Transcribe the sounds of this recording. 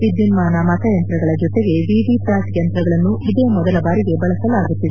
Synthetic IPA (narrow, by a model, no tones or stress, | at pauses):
ʋid̪junmaːnɐmɐt̪ʰɐjɐnt̪ɾɐɡɐɭɐd͡ʒɔt̪eɡe̞ʋiːʋipaːsjɐnt̪ɾɐɡɐɭɐnːuid̪eːmɔd̪ɐlɐbaːɾiɡe̞bɐɭɐsɐlaːɡut̪ːid̪e